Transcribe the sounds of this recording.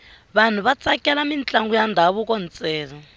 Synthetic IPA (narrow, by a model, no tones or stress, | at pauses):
βan̤uβat͡sakʼɛlamint͡ɬʼaŋɡujandʱaβukɔnt͡sʼɛːlɔ